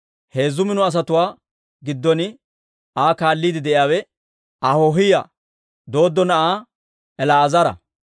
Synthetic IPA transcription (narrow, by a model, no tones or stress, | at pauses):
he̞ːzːʊmɪnʊɐs̬ɐt̪ʊwaː | ɡɪd̪ːɔnɪ | aːkaːlːiːd̪ɪd̪ɛʔɪjaːwɛ | ɐhoɦɪja | d̪o̞ːd̪ːɔnɐʔaː | ɛlaːzɐɾɐ̰